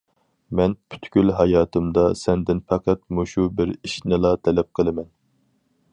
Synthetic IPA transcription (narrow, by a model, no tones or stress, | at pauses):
mɛnpʰy̥t̪kʲylɦɑjɑːt̪ʰɨmd̪ɑsɛnd̪ɪnfʰɛqʰæt̪̚moʃubɪɾiʃnɪlˠɑt̪ʰɛlɛp̚qʰəlˠɨmɛn